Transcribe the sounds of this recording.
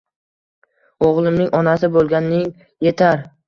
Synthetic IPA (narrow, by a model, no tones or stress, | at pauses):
oʁlˠɪmnɪŋɒnasɪbolˠɡʲanːɪŋ | je̞t̪ʰaɾ